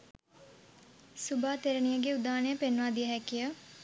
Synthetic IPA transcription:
subaːt̪eɾənijəɡeud̪aːnejəpenːʋaːd̪iəɦɛkijə

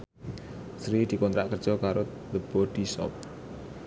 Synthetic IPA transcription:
sɾid̪̥i̤kɔnt̪ɾaʔkərd̥ʒ̥ɔ̤kaɾo | d̪əb̥ɔɖ̪̥i̤sɔ̰p̚

